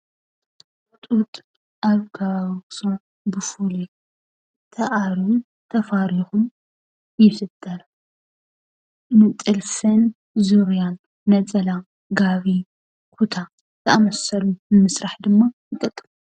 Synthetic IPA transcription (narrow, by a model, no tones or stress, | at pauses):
t̪ʼut̪ʼ | ʔaβɡasom | bɨfuli | t̪ʰɐʔaɾu | t̪ʰɐfaɾixum | jɪfɨd̪̥ɐɾɐ | nɨt̪ʼɨlsɨn | zuɾjanː | ɐt͡sʼɐla | ɡaβi | kʰut̪ʰa | t̪ʰɨɐamɐsɐlumnɨmɨsɾaħd̪ɨmːajɨkʼɐt̪ʼːɨmu